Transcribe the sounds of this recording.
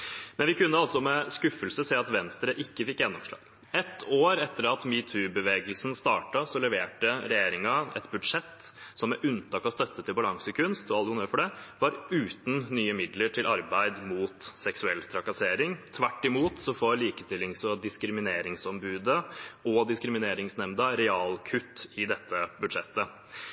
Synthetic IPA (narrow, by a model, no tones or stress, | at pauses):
mɛnʋɪkʰʉnːəɑlsɔmɛskʉfəlsəseːɑt̪ʋɛnst̪ɾəʔɪkːəfɪkːjɛnːɔmʂɭɑ̰ːɡ̥ | ɛt̪ːoːɾɛt̪ːəɾɑt̪miːt̪ʰʉːbəʋeːɡəlsn̩st̪ɑːʈɑsɔlɛʋeːʈəɾɛjeːɾɪŋɑɛ̰t̪bʉd̪ʂɛt̪ːsɔmæɾʔʉnt̪ʰɑːkɔst̪œt̪ːət̪ʰɪlbɑlɑŋsəkʰʉnst̪ɔɑlːəʊnəɾfɔɖɛʋɑɾʉːt̪n̩nyːəmɪd̪ləʈʰɪlʔɑɾbæɪd̪muːt̪sɛksʉɛlt̪ʰɾɑkɑseːɾɪŋt̪ʰʋæʈːɪmuːt̪sɔfoːliːkəst̪ɪlːɪŋsɔd̪ɪskɾɪmɪneːɾɪŋsɔmbʉːd̪əɔd̪ɪskɾɪmɪneːɾɪŋsnɛmd̪əɾɛɑːlkʰʉt̪ːɪd̪ɛt̪ːəbʉd̪ʂɛt̪ːə